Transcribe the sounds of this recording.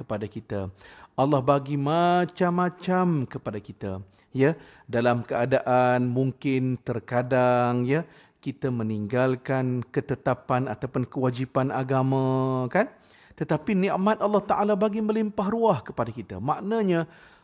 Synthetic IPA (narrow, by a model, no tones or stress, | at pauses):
kəpadakit̪aʔalːɑhbaɡimat͡ʃamːãt͡ʃamkəpadakit̪a̰ | jadalamkəadaʔanmuŋkɪnt̪ərkadaŋja | kit̪əmə̃niŋɡalkankət̪ət̪apanat̪awpʊnkəwad͡ʒipanaɡamãkan | t̪ət̪apinĩʔmat̪̚alːɑht̪aʔalabaɡimə̃limpaɦruahkə̥padakit̪a̰mãʔnaɲã